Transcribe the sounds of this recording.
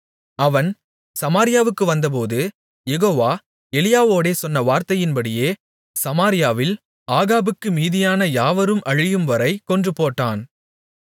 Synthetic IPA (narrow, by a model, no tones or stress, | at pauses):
ɐʋɐn | sɐmaːɾɪjaːʋɯkːɯʋɐnd̪ɐp̬oːðɯ | jɛɣoːʋaː | ɛlɪjaːʋoːɽeːsɔnːɐʋaːɾt̪ɐjɪnbɐɽɪjeː | sɐmaːɾɪjaːʋɪl | aːɣaːbɯkːɯmiːðɪjaːnɐjaːʋɐɾɯmʔɐɻɪjɯmʋɐɾɐɪkːɔndrɯpoːʈːaːn